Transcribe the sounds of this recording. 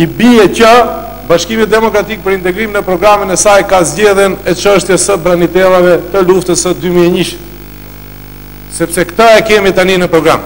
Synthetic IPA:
ibiɛcə | baʃkimit̪̚d̪ɛmɔkɾat̪ik̚pəɾint̪ɛɡɾimnəpɾɔɡɾamənɛsajkazɟɛðjɛnɛt͡ʃəʃt̪jɛsəbɾanit̪ɛlˠavɛt̪əluft̪əsəd̪ymiɛɲiʃ | sɛpsɛkt̪əɛkɛmit̪aninəpɾɔɡɾam

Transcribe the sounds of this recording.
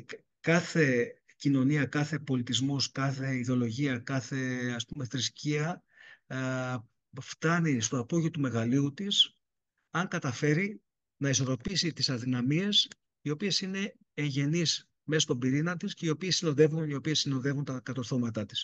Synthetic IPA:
kɐθe̞ | cino̞niɐkɐθe̞po̞lit̪izmo̞skɐθe̞iðo̞lo̞ʝiɐkɐθe̞ɐspume̞θɾisciɐ | ft̪ɐnist̪o̞ɐpo̞ʝiot̪ume̞ɣɐliut̪is | ɐŋkɐt̪ɐfe̞ɾi | nɐiso̞ɾo̞pisit̪isɐðinɐmie̞s | io̞pie̞sine̞ː | ɲʝe̞nis | me̞sɐst̪obiɾinɐt̪isce̞io̞piesino̞ðe̞vunio̞pie̞sino̞ðe̞vunt̪ɐkɐt̪o̞ɾθo̞mɐt̪ɐt̪is

